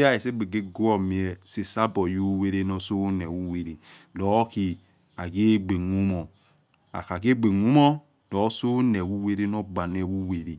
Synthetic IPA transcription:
a˦e˨se˦ɡ͡be˨ɡe˦ɡu˦o˦˨mi˨e˨se˨sa˦bo˨ju˦we˦ɾe˦no˦so˦ne˨wu˦we˨ɾi˨ | lo˨˦ki˨ | a˨ɡe˦ɡ͡be˨ŋu˦mo˨ | a̰˨ka˨ke˦ɡ͡be˨ŋu˦mo˦ | do˨˦so˦ne˨wu˦we˦ɾe˦no˦ɡ͡ba˨ne˨wu˦we˨ɾi˨

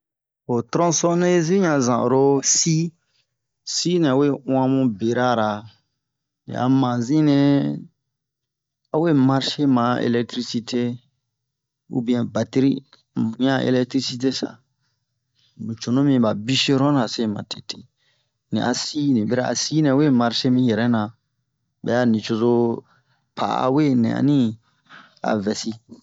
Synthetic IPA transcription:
o˨tɾɔ̃˦sɔ̃˦nẽ˦zĩ˦ɲã˨zã̰˨ɾo˦si˦ | si˦nɛ̃˨a˨we˦w̃ã˦mũ˦be˨ɾa˦˨ɾa˨ | nḭ̃˨ʔa̰˨mã˨zĩ˦nɛ̃˦ | a˨we˦ma˦ɾʃe˦mã˨ḛ˨lɛ˦k̚tɾi˦si˦tʰe˦ | ṵ˦bĩ˦ɛ̃˨ba˨ti˦ɾi˦ | mũ˨˦ã˦ʔḛ˨lɛ˦ktɾi˦si˦te˦sa̰˨ | mũ˨t͡ʃo˨nõ˦mĩ˨˦ba˨bi˦se˦ɾɔ̃˦nã˨se˦˨mã̰˨te˨tʰe̥˨ | nḭ̃˨ʔa˨si˦nĩ˨bɛ˦ɾa˦ʔa̰˨si˦nɛ̃˨˦we˦˨ma˦ɾʃe˦mĩ˦jɛ˨ɾɛ˦nã˨ | bɛ̰˨ja˦nĩ˨t͡ʃo˧zo˧ | pʰa̰˨˦a̰˨we˦nɛ̰̃˨a̰˨nĩ˦ | a̰˨vɛ˨si˦

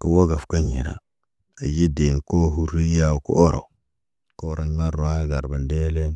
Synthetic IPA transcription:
kə˨wo˦ɡa˨fka˦ɲḭ˨ɾa̰˨ | a˨ji˦de˨n˨ko˦ɦu˦ɾi˦ja˦wkṵ˦ʔo˦ɾo̰˨ | ko˦ɾo˦ɲ˦ma˦ɾu˨a˦ɡa˨ɾba˨nde˦le˦n

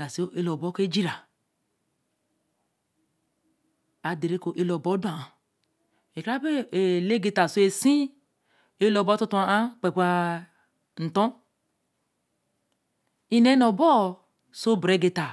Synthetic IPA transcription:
a˨si˦o˦e˦lo˨bo˦ke˦d͡ʒi˦ɾa˨ | a˨de˨ɾe˦ko˨ʔe˦lo˨bo˦du˦a˨a˨ | e˨ka˦be˦e˨le˦ɡe˨ta˨so˦e˨sĩ˦ | e˦lo˨bo˦tu˦tu˦a˨ʔa˦k͡pe˨ka˦ | n̩˨to˦ | i˦ne˦no˨bɔ˦˨ | so˦bɾe˨˦ɡe˨ta˨

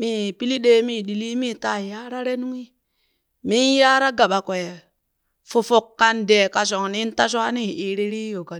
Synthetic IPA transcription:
mi˦˨pi˦li˦ɗe˦mi˦˨ɗi˨li˦mi˦˨ta˦˨ja˦ɾa˦ɾe˦nu˦ŋi˦ | mi˦n˦ja˦ɾa˦ɡa˨ɓa˨kwe˨ | fo˨fo˨kːa˦nde˨ka˨s̬o˨ŋni˦n˦ta˦ʃ̬a˦ni˦˨i˨ɾi˦ɾi˦jo˨ka˨

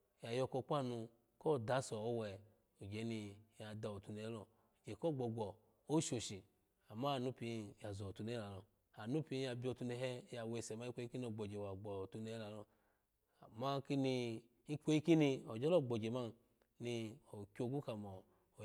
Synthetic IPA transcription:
ja˨jɔ˧ko˧k͡pʷa˦˨nu˧ | ko˦˨da˨˦sɔ˨o˦wɛ˨ | o˨d͡ʒe˨˦ni˧˨ja˧da˧˨o˨tu˧ne˧˨˦lɔ˧ | o˨d͡ʒe˨ko˦˨ɡ͡bɔ˨ɡɔ˨ | o˦ʃo˨ʃi˨ | a˨ma˦a˨nu˦pi˧ja˨zo˨tu˧ne˦la˨lɔ˨ | a˨nu˦pi˧˦ja˧bʲi˦o˧˨tu˧ne˧ɦɛ˦ja˧we˧˨sɛ˨ma˦i˦kʷe˧˦i˦ki˦ni˦o˨ɡ͡bo˨d͡ʒe˨wa˨ɡ͡bɔ˨tu˧ne˧˦la˨lɔ˧ | a˨ma˦ki˦ni˧ | i˦k͡pʷe˦i˦ki˦ni˧o˨d͡ʒe˦lo˦˨ɡ͡bo˨d͡ʒe˨ma˦ | ni˧o˨kʲo˧˨ɡu˦ka˧mo˨

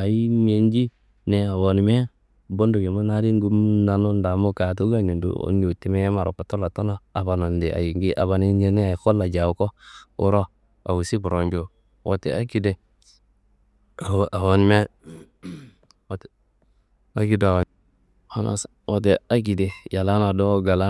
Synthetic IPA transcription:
a˨ji˦me˦nd͡ʒi˦ | ne˨a˨wo˨n˨me˦ | bo˦ndu˨ɡe˨ma˦na˦ɾi˦ŋɡu˦mna˨no˦nda˨mo˦ka˨t̬u˦ɡa˦˨ɲi˨ndṵ˨˦nd͡ʒo˨ti˦me˦je˦ma˨ɾo˨ka˨to˦la˨to˦no˦a˨ba˨no˨ndi˨ʔa̰˨ji˨ŋɡi˦ʔa̰˨ba˨ni˦e˦ne˦a˨ko˦lːa˨d͡ʒa˨wko˦ṵ˦ɾo˦ | a̰˨wu˨si˦bu˨ɾo˨nd͡ʒo˦ | wo̰˨te˨a˦ki˦de˨ | a˨wo˦n˦me˦ | wt | a˦ɡi˦da˨wa˨ | a˦na̰˨s | wo˨te˨a˦ɡi˨de˨ja˨la˦na˨do˦ɡa˨la˦

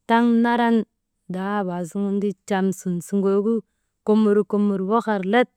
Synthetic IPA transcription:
ta˦ŋna˦ɾa˦n | da˨˦ba˨si˦ŋu˦n˦di˦t͡ʃa˨msu˨nsu˨ŋɡo˨˦ɡu˦ | ko˦mu˨ɾko˨mu˨ɾwo˦ka˨ɾle˦t̚

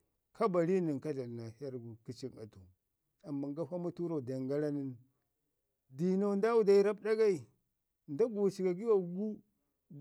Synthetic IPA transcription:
ka˦ba˨li˦ni˨ŋka˦ɮa˨na˨ha˦ɾɡu˨ki˦t͡ʃi˦na̰˨tu˨ | a˨mːa˨ŋɡa˦fa˦mu˦tu˦ɾo˦˨da˨ŋɡa˦la˦ni˦n | di˨na˨nda˦wu˦da˨˦i˦ɾa˦bda˦ɡa˦i˨ | nda˦ɡu˨t͡ʃi˨ɡa˨ɡi˦wa˨˦ɡu˦

